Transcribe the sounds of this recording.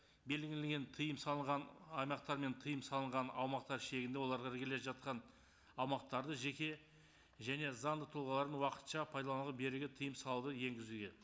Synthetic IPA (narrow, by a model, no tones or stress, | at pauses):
be̞lɡʲɪlɪɡʲe̞nt̪ʰəjəmsɑlˠəɴʁɑnɑjmɑqt̪ɑɾme̞nt̪ʰəjəmsɑlˠəɴʁɑnɑwmɑq̚t̪ɑɾʃe̞ɡʲɪnd̪ewo̞lˠɑɾʁɑɾɡʲeleʒɑt̪̚qɑn | ɑwmɑq̚t̪ɑɾd̪əʒe̞kʲe̞ | ʒæne̞zɑnd̪ət̪ʰʊlˠʁɑlˠɑɾd̪ənwɑqə̥t̪ʃɑpʰɑjd̪ɑlˠɑnuʁˠəbe̞ɾɪɡʲɪt̪ʰəjəmsɑlˠud̪əje̞ŋɡʲɪzuɡʲe̞